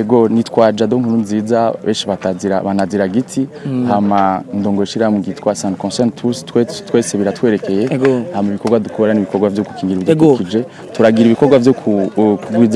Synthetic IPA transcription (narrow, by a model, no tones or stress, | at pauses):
eɡonitkwaːd͡ʒadoŋ̥hununzid͡zaβeːnʃiβataziɾa̰βanaziɾaɡitʰihamandoːŋɡoʃiɾamuɡitwasandkõnsentutwetweseβiɾatwe̞ːɾe̞ke̞jeɡhamiβikoɾɡwadukʰoɾaniβikoɾɡwavjoku̥kiːŋɡiɾivjkokid͡ʒe | tuɾaɡiɾiβikoɾɡwavjokʰukuɡwiːd͡z